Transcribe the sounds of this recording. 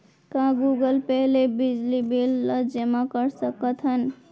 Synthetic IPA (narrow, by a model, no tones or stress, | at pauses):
kãɡuɡəlpɛɦlebɪd͡ʒlibelːəd͡ʒəmãkəɾsəkət̪ɦən